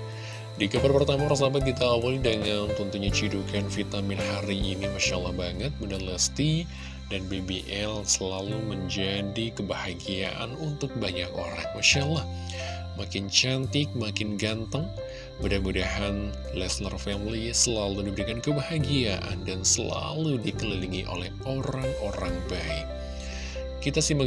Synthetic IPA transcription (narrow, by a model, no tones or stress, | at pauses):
dikabarpərt̪amaɾasabat̪̚kit̪aːwalidəŋant̪ɔnt̪uɲat͡ʃidukanfit̪amɪnhaɾiʔinimaʃalːahbaŋət̪̚budahnləst̪i | danbebeʔɛlsəlaluməɲd͡ʒadikəbahaɡia̰ʔa̰nunt̪ʊk̚baɲako̰ɾa̰ŋmaʃalːah | makɪnt͡ʃant̪ɪk̚makɪnɡant̪əŋ | budamudahan | lɛsnərfɛmlisəlaludibəɾikankəbahaɡiaʔa̰ndansəla̰ludikəliliŋiʔo̰lɛhoɾaŋoɾaŋbaɪk̚ | kit̪asimba